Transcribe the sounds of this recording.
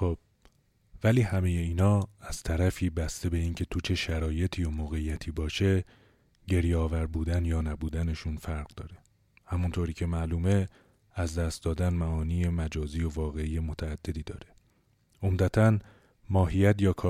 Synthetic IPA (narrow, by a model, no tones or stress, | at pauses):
xob̥ | væliːhæme̞je̞iːnɒːæz̥t̪ʰæɾæfiːbæst̪e̞be̞iːncʰe̞t̪ʰut͡ʃʰe̞ʃæɾɒːje̞t̪ʰiːjomoːɣe̞ijæt̪ʰiːbɒːʃe̞ | ɟe̞ɾjeɒːvæɾbuːd̪ænjɒːnæbuːd̪æne̞ʃunfæɾɣd̪ɒːɾe | hæmunt̪ʰoːɾiːcʰe̞mæluːme̞ | æzd̪æst̪̚d̪ɒːd̪ænmæɒːniːe̞mæd͡ʒɒːziːjo̞vɒːɣe̞iːje̞mo̞t̪ʰæːd̪̥ːe̞d̪iːd̪ɒːɾe̞ | omd̪æt̪ʰæn | mɒːɦijæt̪jɒːkʰɒː